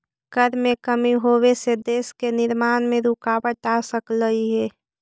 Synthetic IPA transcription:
ɡ̥əɾmẽkəmiɦoːwesed̪eːskenɪɾmaːnmẽɾʊkaːbəʈasəkləɦiɦɛː

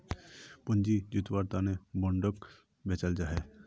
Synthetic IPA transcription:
pʊnd͡ʒid͡ʒut̪waɾt̪anebəɳɖək | bet͡ʃəld͡ʒaɦɛ

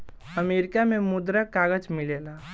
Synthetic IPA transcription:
əmeɾikamemud̪ɾəkːaɡəd͡ʒmilela

